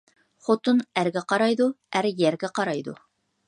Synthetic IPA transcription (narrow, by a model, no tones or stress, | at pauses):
χot̪ʊnæɾɡʲɛqɑɾɑjd̪uæɾjæɾɡʲɛqɑɾɑjd̪ṵ